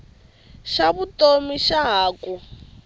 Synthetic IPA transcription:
ʃaβutomiʃaɦaːkʼu

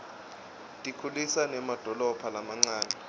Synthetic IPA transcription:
tʼikʰulisanɛmad̥ʱɔlɔpʰalamaŋ͡ǀaːna

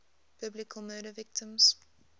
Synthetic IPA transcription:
b̥ɪblɪkʰəlˠməːɾəvɪk̚tə̃ms

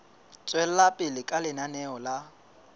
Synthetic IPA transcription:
t͡sʼwɛl̩lapʼɪlɪkʼalɪnanɛɔla

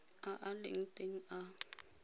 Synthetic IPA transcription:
aʔalḛŋ̩tʼeŋ̩a

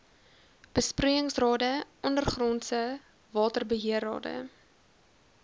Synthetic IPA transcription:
b̥əspriəəŋsrɑːdəʔɔndərχrɔnsə | vɑːtərbəɦiərɑ̰ːdə̰

